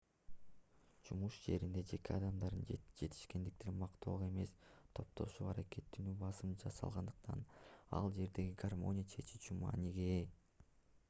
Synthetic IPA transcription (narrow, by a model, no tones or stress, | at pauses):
d͡ʒumuʃd͡ʒe̞ɾind̪e̞d͡ʒe̞ke̞ɑd̪ɑmd̪ɑɾɯnd͡ʒe̞t̪ʰi̥ʃke̞nd̪ik̚t̪enmɑqt̪ʰo̞ʁe̞me̞st̪ʰo̞p̚t̪ʰo̞ʃuːɑɾake̞t̪ːynybɑsɯmd͡ʒɑsɑ̰lˠʁɑnd̪ɯq̚t̪ɑ̰nɑ̰lˠd͡ʒe̞ɾd̪e̞ɡiɡarmo̞̰nʲɪjat͡ʃʰe̞t͡ʃi̥t͡ʃumɑ̰ːniɡe